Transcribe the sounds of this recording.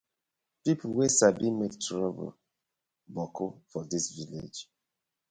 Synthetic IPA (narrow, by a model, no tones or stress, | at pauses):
pipʰowesabimektɹɔbo̰l | bɔkʰofɔdisvilḛd͡ʒ